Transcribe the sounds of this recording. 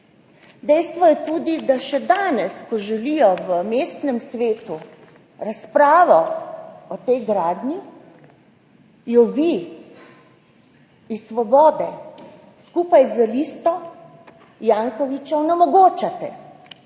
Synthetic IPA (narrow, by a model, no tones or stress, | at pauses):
d̪ɛjst̪ʋɔjɛt̪uːd̪id̪aʃɛd̪aːnɛskɔʒɛlijɔʋəmeːst̪nɛmsʋeːt̪u | ɾaspɾaːʋɔ | ɔt̪ɛjɡɾaːd̪ni | jɔʋi | isʋɔbɔːd̪ɛ | skuːpajzəliːst̪ɔ | jaːŋkɔʋit͡ʃɔɔnɛmɔɡoːt͡ʃat̪ɛ̰